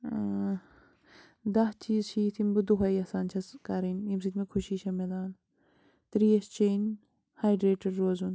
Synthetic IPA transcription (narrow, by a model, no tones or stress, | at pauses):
d̪ɐɦt͡ʃiːzʃiːt̪ʰimbud̪uɦɐjɐsaːnt͡ʃʰɐskaɾinjimsit̪ʲmekʰuʃiːʃɐmed̪aːn | t̪ɾijɐst͡ʃʰeːn | haːjɖɾeːʈɐɾːoːzun